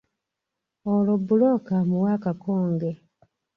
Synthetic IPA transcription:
olobulokamuwaːkakoːŋɡe

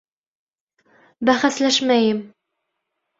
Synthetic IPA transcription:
bæχæslæʃmæjɘm

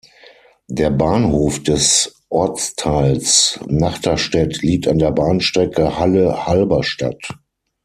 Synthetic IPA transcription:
deːɐbaːnhoːfd̥ɛsʔɔɐt͡stʰaɪlsnaχtɐʃtɛtliːk̚tandeːɐbaːnʃtʁ̥ɛkəhaləhalbɐʃta̰t

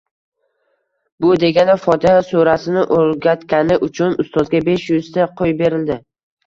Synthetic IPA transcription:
bʊd̪e̞ɡʲanafɒt̪ʰɪhasuɾasɪnɪʔolɡʲat̪kʲanɪʔʊt͡ʃʰʊnʊst̪ɒzɡʲabe̞ʃjʊzt̪ʰaqʰojbe̞ɾɪld̪ɪ

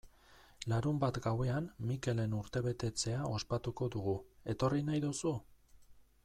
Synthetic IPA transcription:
laɾumbat̪ɡawe̞anmike̞le̞nuɾt̪e̞βe̞t̪e̞t͡se̞ao̞spat̪uko̞ðuɣue̞t̪o̞rinajðusu

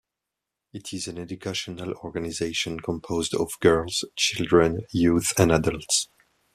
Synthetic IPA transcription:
ɪtʰɪzæ̃nɛdukʰaʃɔnalɔɹɡanizeɪʃɔ̃nkʰɔ̃mpʰozdɔ̰vɡɜ˞lˠz̥t͡ʃɪlˠdɹə̃njuθɛ̃nadəlˠts

